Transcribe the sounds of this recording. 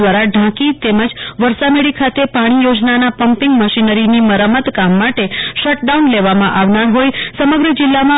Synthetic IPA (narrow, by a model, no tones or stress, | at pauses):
ʋaɾaɖʱãkit̪eməd͡ʒʋəɾsameɭikʰat̪epaɽ̃ijod͡ʒnanapəmpɪŋɡməʃinəɾiniməɾəmət̪kamːaʈeʃəʈ̚ɖaunleʋamãʔaʋnaɾɦojsəməɡɾəd͡ʒɪlːamã